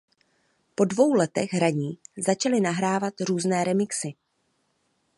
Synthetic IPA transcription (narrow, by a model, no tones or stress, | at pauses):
po̞dvo̞wlɛt̪ɛ̰ɣɦɾaɲiːzat͡ʃalɪnaɦɾaːvat̪ɾuːznɛːɾɛmɪksɪ